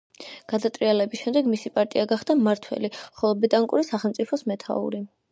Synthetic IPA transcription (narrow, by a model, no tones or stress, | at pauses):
ɡ̥ad̪at̪ʼɾialɛbisʃɛmd̪ɛɡmisipʼaɾt̪ʼiaɡaχd̪amaɾt̪ʰwɛ̰liχɔlˠɔbɛt̪ʼaŋkʼṵɾisaχɛlˠmt̪sʼipʰɔsmɛt̪ʰa̰ṵɾi